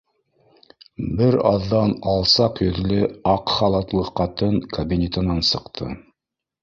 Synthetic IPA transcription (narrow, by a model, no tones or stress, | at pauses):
bɘɾɑ̰ðːɑnɑlˠsɑqjɵ̆ðlɘɑqχɑlˠɑt̪lˠɤqːɑt̪ɤŋkʰɐbʲinʲet̪ɤ̆nɑnsɤ̆qt̪ʰɤ̰